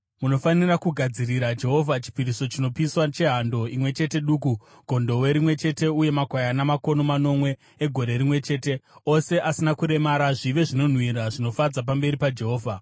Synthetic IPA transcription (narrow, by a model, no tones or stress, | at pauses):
muno̞fanirakuɡʱad͡ziriɾad͡ʒe̞ɦo̞vʱat͡ʃi̥piɾiso̞t͡ʃino̞piiswat͡ʃe̞ɦando̞imwe̞t͡ʃe̞te̞ɗuːk̬u | ɡʱo̞ndo̞we̞ɾimwe̞t͡ʃe̞te̞uje̞makwajanamako̞no̞mano̞mwe̞ː | ɡʱo̞ɾe̞rimwe̞t͡ʃe̞ːte̞o̞se̞ʔasinakuɾe̞maɾaʐiʋe̞ʐino̞n̤wiɾaʐino̞fad͡zap̬ambe̞ɾipad͡ʒe̞ɦo̞ːvʱa